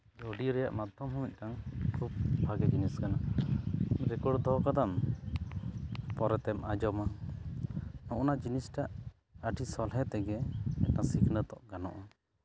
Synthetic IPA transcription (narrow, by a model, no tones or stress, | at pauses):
d͡ʒɔɖiɾɛja̰ʔmad̪ʱɔmɦɔmit̪̚ˀkaŋkʰubbʱaɡɛd͡ʒiniskana | ɾɛkɔɖd̪ɔkad̪am | pɔɾɛt̪ɛmad͡ʒɔma | nɔʔɔnad͡ʒinisʈaʔ | əʈʰisɔlɦɛt̪ɛɡɛɛ̰t̪̚nasikʰnət̪ɔʔɡanɔ̰ʔa